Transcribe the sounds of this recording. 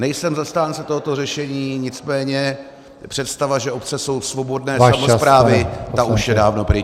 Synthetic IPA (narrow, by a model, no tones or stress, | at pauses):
nɛjsɛmzast̪aːnt͡sɛt̪o̞ɦot̪o̞rɛʃɛɲiːɲɪt͡smɛːɲɛ | pr̝̥ɛt̪st̪avaʒɛopt͡sɛso̞wsvo̞bo̞dnɛːsamospɾaːvɪt̪auʃjɛdaːvno̞pɾɪ